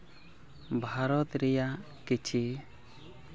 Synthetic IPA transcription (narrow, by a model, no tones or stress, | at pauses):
bʱaɾɔt̪ɾɛja | kit͡ʃʰi